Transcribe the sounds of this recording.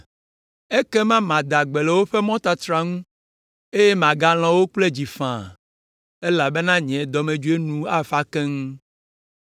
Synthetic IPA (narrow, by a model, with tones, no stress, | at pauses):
e˦kɛ˦mã˦mã˨d̪a˨ɡ͡be˨lɛ˨wo˦ɸɛ˦mɔ̃˦t̪a˦t̪ɾa˨ŋũ˦ | e˦je˦mã˨ɡa˦l̃ɔ̃˨wo˦k͡ple˦d͡ʑi˨fã˨ | e˦la˨be˦nã˦ɲɛ̃˨d̪ɔ˨mẽ˨d͡ʒu˦e˦nũ˦a˦fa˦kɛ̃˦ŋũ˦